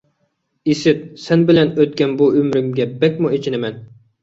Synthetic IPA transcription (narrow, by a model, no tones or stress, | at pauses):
isɪt̪̚sɛnbɪlɛnøt̪̚kʲɛnbuømɾɪmɡʲɛbɛkʲmuet͡ʃʰinɪmɛn